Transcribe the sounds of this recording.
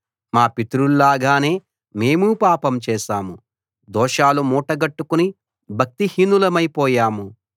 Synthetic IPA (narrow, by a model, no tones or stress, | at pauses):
maːpit̪ɾullaːɡaːne̞ː | me̞ːmupaːpɐmt͡ʃɛːʃaːmu | d̪ɔːʃaːlumɔːʈɐɡɐʈːukuni | bʱɐk̚t̪ihinːulɐmɐjpɔːjaːmu